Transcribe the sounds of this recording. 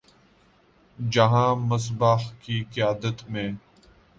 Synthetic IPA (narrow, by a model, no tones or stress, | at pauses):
d͡ʒɐɦãːməs̬baːhkikɪjaːd̪ət̪mẽː